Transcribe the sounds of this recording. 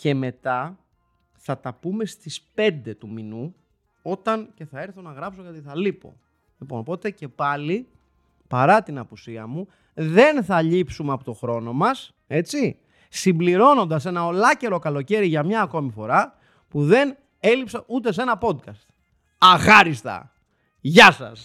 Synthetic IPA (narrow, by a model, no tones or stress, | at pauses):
ce̞me̞t̪ɐ | θɐt̪ɐpume̞st̪ispe̞nd̪e̞t̪uminu | o̞t̪ɐnce̞θɐe̞ɾθonɐɣɾɐpsokot̪iθɐlipo̞̰ | lipo̞no̞po̞t̪e̞ce̞pɐli | pɐɾɐt̪inɐpusiɐmu | ðe̞nθɐʎipsumeɐpo̞t̪o̞xɾo̞no̞mɐs | e̞t͡si | simbliɾo̞no̞nd̪ɐse̞nɐo̞lɐce̞ɾo̞kɐlo̞ce̞ɾiʝɐmɲɐːko̞mifo̞ɾɐ | puðe̞n | e̞lipsɐʔut̪e̞s̬e̞nɐpo̞d̪kɐst̪ | ɐxɐɾist̪ɐ̰ | ʝɐsɐ̰s